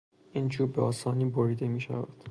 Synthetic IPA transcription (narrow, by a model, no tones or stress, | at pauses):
ʔiːnd͡ʒuːɾbeɒːsɒːniːboɾiːd̪e̞miːʃæ̰væ̰d̪̥